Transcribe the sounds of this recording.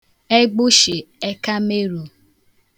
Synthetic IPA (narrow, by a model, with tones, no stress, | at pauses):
e˦ɡ͡bʊ˦ʃe˨e˦ka˦me˦ɾu˨